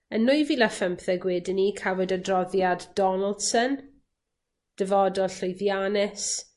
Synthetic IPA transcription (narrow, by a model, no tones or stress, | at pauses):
ənːʊjviləfəmpθɛɡwɪdɪnikʰawɛdədrɔðjadd̥ɔnəlˠd̥sən | d̥əvɔdɔɬojðjanɪs